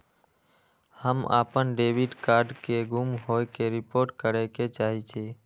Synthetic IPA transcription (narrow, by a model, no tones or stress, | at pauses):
həma̰ːpənɖeʋiɖkaːɾɖkeɡʱumɦoekeɾipoɾʈ̚kəɾeket͡ʃaːɦit͡ʃʰe